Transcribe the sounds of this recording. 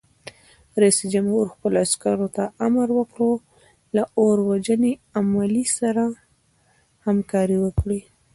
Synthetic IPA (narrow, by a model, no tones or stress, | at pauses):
ɾajsid͡ʒamhuɾxpəloaskaɾot̪aʔamaɾwəkɽo | laʔoɾwad͡ʒəneamalisaɾa | hamkɑɾiwəkɽi